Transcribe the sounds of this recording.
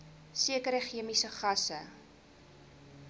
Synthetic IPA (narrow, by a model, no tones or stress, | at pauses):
siəkəɾəχiəmisəχɐsə